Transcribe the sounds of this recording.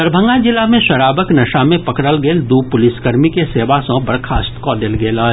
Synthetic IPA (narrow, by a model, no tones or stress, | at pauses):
ɐɾbʱə̃ŋɡad͡ʒɪlamẽʃɐɾaːbəknɐʃamẽpɐkɽəlɡeːld̪uːpʊlɪsɡəɾmikeseːʋasõbɐɾkʰaːst̪kɔːd̪elɡeːlaː